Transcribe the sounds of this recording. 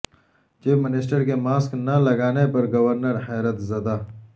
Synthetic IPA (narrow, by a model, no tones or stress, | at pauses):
t͡ʃiːfmɪnɪsʈəɾkemaːsknɐlɐɡaːnepɐɾɡɐwɐɾnəɾhɛːɾət̪zɐd̪aː